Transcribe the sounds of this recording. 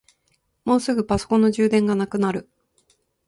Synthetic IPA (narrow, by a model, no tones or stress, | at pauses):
mo̞ːsɨɡɯ̟paso̞̥kõ̞nːo̞ʑɨːd̪ẽ̞ŋɡanakɯ̟naɾɯ̟